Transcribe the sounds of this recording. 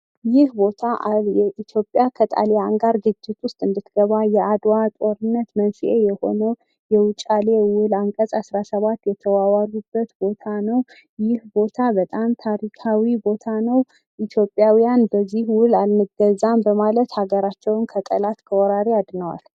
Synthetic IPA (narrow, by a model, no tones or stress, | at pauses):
jɪhbo̞t̪ʰaʔjɛʔit̪ʰjo̞pʼjakʰət̪ʼa̰leaŋɡaɾɡɨd͡ʒːɪt̪ʰwʊst̪ʼɨnd̪ɨt̪ɡ̥əβajɛʔad̪wat̪ʼo̞ɾɨnːət̪mənsiʔe̞jɛho̞nəw | jɛwʊt͡ʃʼalewʊlaŋkʼəsʼasɾasəβat̪ːjɛt̪ʰəwawaɾubːət̪bo̞t̪ʰanəw | jɪhbo̞t̪ʰabət̪ʼamt̪ʰaɾikʰawibo̞t̪ʰanəw | ʔit̪ʰjo̞pʼːjawijanbəzːihwʊlalmɨɡəzambəmalət̪haɡəɾat͡ʃːɛwnkʰət̪ʼəlat̪kʰəwɔɾaɾiad̪nəwa̰l